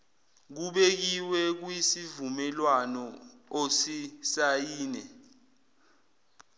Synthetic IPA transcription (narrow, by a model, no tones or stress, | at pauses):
k̬uɓek̬iwɛk̬wisivumɛlwanɔosisajiːnɛ